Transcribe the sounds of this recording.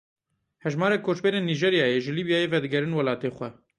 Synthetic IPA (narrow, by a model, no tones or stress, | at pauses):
hɛʒmɑːɾeːkʰoːt͡ʃbeːɾeːnːiːʒeːɾjɑːjeːʒɨliːbjaːjeːvɛd̪ɨɡɛɾɨnwɐlɑːt̪eːxʷɛ